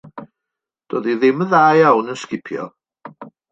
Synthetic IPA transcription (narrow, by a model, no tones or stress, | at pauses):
d̥oːdiðɪməðaːjawnənskɪpʰjɔ̰